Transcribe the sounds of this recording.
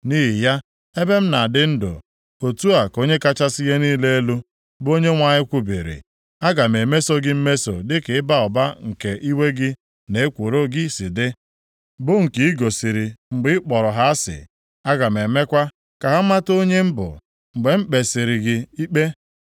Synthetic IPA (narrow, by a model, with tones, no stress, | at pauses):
ni˦ɦi˨ja˦ | e˦be˦m̩˦na˨dɪ˦n̩˦dʊ̰˨ | o˨tu˦a˨ko˦ɲe˦ka˦t͡ʃa˦sɪ˦je˦niː˦le˦e˦lu˦ | bo˦ɲe˦ŋʷa˨ɲɪ˦kʷu˦bḭ˨ɾḭ˨ | a˦ɡa˨m˨e˨me˦so˦ɡɪ˦m̩˦me˦so̰˨dɪ˦ke˨ɪ˦ba˦ɔ˨ba˦ŋ̩˨ke˨ʔi˦we˦ɡɪ˦ | ne˨e˦kʷu˨ɾo˦ɡi˦˨si˨dɪ˦ | bʊ˦ŋ̩˨ki˨i˦ɡo˨si˨ɾi˨ŋ͡m̩˨ɡ͡bɪ˦k͡pɔ˨ɾɔ˨ɦa˦a˦sɪ̰˨ | a˦ɡa˨m̩˨e˨me˦kʷa˦ | ka˨ɦa˦ma˦to˦ɲe˦m̩˦bʊ̰˨ | ŋ͡m̩˨ɡ͡be˨m̩˦k͡pe˨si˨ɾɪ˨ɡɪ˦i˦k͡pe˦